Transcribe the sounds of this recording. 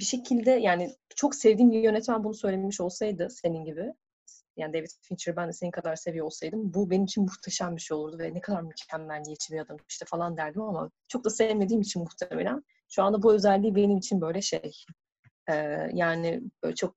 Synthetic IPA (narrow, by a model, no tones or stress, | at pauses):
biʃe̞cʰilʲd̪ɛjaːnɪt͡ʃʰo̞kse̞vd̪iːmbijø̞nɛt̪mænbunusø̞jlʲemiʃo̞lˠsajd̪ɯse̞ninɟibɪ | jaːnid̪evit̪fint͡ʃʰiɾbænd̪ɛse̞nikʰad̪aɾse̞vijo̞lˠsajd̪ɯmbube̞nimit͡ʃʰinmuht̪ʰaʃambiʃeo̞lˠuɾd̪uvɛnɛkʰad̪aɾmycʰænːænjet͡ʃʰimijad̪ami̥ʃt̪ʰɛfalˠand̪æɾd̪imama̰t͡ʃʰo̞k̚d̪asɛvme̞d̪iːmit͡ʃʰinmuxt̪ʰaamelʲæn | ʃuand̪abuø̞zælʲːiːbe̞nimit͡ʃʰinbø̞jlʲɛʃej | ɛːjaːnɪbø̰ɛt͡ʃʰo̞k̚